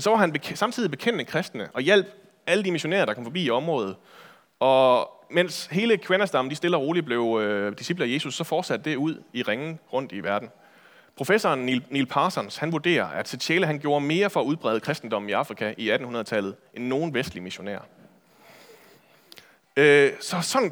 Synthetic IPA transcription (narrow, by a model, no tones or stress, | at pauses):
nsɒ̽ʋɑ̈ɦænbesɑ̈mt͡sʰiðˠib̥e̝kʰen̰d̥əkʰʁɛsd̥nəʔɒ̽jel̰b̥ | æləd̥imiɕo̝næ̰ːɐɾ̥ɑkʰɒ̽mfɒ̽b̥ḭːiɒ̽mʁɔ̽ːðˠð̩ˠ | ɒ̽ | men̰she̝ːləkʰʋenæsd̥ɑ̈mn̩d̥isd̥e̝lɐʁo̝ːlib̥le̝ʊd̥isib̥ləje̝ːsusːɒ̽fɒːd̥sæd̥̚d̥e̝uð̞̰ˠiʁeŋn̩ʁɔ̽n̰d̥iʋæɐd̥n̩ | pʰʁo̝fesɒnnilpʰɑsɒnshænʋuɐd̥e̝̰ːɐʔæd̥sʰe̥ɕʰeːləɦænɡ̥jo̝ːɐme̝ːɐfɒ̽æuð̞ˠb̥ʁɛ̰ðˠəkʰʁɛsd̥n̩d̥ɒ̽m̰n̩iɑ̈fʁikʰæʔiæd̥n̩unɐðˠt͡sʰæl̰ð̞̩ˠʔenːo̝ːn̩ʋesd̥limiɕo̝næ̰ːɐ | sɒ̽sɒ̽n